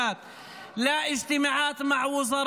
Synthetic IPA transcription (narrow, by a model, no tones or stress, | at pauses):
aːt̪ | laʔɪd͡ʒt̪ɪmaʕaːt̪maʕwʊzɑɾˤ